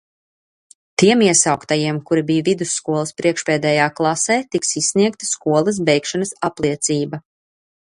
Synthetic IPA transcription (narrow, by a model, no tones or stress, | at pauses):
t̪iɛmiɛsawkt̪ajiɛmkuɾibijvid̪usːkuɔlˠɐspɾiɛkʃpɛːd̪ɛːjaːklˠasɛːt̪iksisniɛkt̪ɐskuɔlˠɐs̬bɛjkʃanɐsaplˠiɛt̪siːbɐ